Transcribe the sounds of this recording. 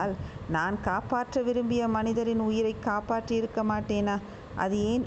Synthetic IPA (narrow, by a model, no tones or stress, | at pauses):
aːlnaːnkaːpaːʈrɐʋɪɾɯmbɪjɐmɐnɪðɐɾɪnʊjɪɾɐɪkːaːpaːʈrɯɪɾɯkːɐmaːʈːeːnaː | ʔɐ̰ðɯeːn